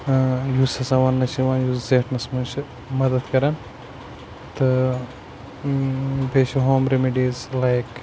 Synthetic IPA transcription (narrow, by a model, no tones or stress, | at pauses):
juːsɐsãʋɐnːɐt͡ʃʰiʋãːnjuːszeːʈʰnɐsmɐnt͡ʃʰ | mɐd̪ɐd̪kɐɾɐn | t̪ɨ | beːʃeɦoːmɾemiɖiːzlaːjk